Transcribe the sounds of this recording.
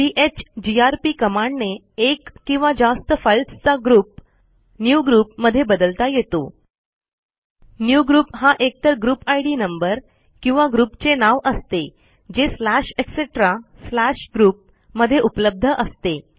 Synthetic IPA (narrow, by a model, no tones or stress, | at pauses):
iʔet͡ɕd͡ʑiaɾpiːkəmaɳɖne | ekːĩw̃ʋad͡zast̪əfajlst͡saɡɾuːp̚ | njuɡɾuːpməd̪ʱːjebəd̪əlt̪ajet̪o | njuɡɾuːpɦaʔek̚t̪əɾɡɾuːpajɽiːnəmbəɾ | kĩw̃ʋaɡɾuːpt͡senaʋʔəst̪e | d͡ʑeslæɕekseʈɾaslæɕɡɾuːp̚ | məd̪ʱːjeʔupləb̚d̪ʱəʔəst̪e